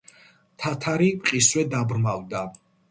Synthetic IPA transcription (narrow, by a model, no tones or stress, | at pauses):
t̪ʰat̪ʰaɾiqʼiswɛd̪abɾmavd̪a